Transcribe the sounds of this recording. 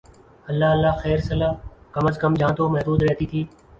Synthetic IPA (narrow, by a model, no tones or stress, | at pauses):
əlːaːəlːaːxɛːɾsəlaːkəməskəmd͡ʒãːt̪oːmɛɦd̪uːd̪ɾɛɦt̪iːk̪ʰiː